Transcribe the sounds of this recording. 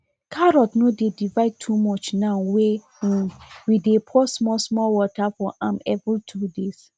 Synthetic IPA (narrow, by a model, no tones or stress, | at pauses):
kʰaɾɔtnodedivaɪd̚tʰumɔt͡ʃnãʊwẽ | widepʰɔsmɔlsmɔlwɔtafɔʔãmɛvitʰudes